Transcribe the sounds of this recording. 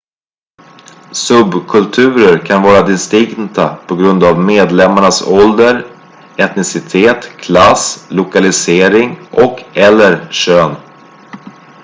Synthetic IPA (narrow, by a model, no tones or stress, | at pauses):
sɵbkʰɵlt̪ʰʉ̟ːɾəɾkʰanvɑːɾad̪ɪnst̪ɪŋnt̪apʰɔɡɾɵnd̪avmeːd̪lɛmːaɳasɔld̪əɾ | ɛt̪nɪsɪt̪ʰeːt̪kʰlaslʊkalɪseːɾɪŋʔɔkɛlːəɾɕøːn